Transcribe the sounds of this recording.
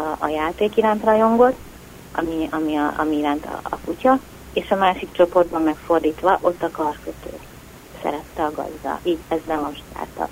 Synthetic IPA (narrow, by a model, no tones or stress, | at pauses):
ɒɒjaːt̪eːkiɾaːnt̪rɒjo̞ŋɡo̞t̪ | ɒ̰miɒmiɒɒ̰miiɾant̪ɒ̰ɒ̰kucɒ | eːʃɒmaːʃikt͡ʃo̞po̞rd̪bɒmːɛkfo̞rd̪iːt̪ʋɒʔo̞t̪ːɒkɒrkot̪ø̰ː | sɛ̰ɾɛt̪ːɛɒɡɒ̰zd̪ɒ̰ʔiːɟɛzdɛmoʃt̪a̰ːrt̪ɒ̰